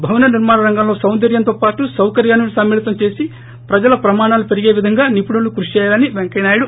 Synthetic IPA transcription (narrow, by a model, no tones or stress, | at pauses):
bʱɐʋnɐniɾmaːnɐɾɐŋɡɐmlo̞ːsɐwnd̪ɐɾjɐnt̪oːpaːʈusɐwkɐɾjaːnulusɐmːiːlit̪ɐmt͡ʃe̞ːsi | pɾɐd͡ʒɐlɐpɾɐmaːɳaːlupeɾiɡe̞ːʋid̪ʱɐŋɡaːnipuɽulukɾuʂt͡ʃɛːjaːlɐniʋeŋkɐnaːjuɽu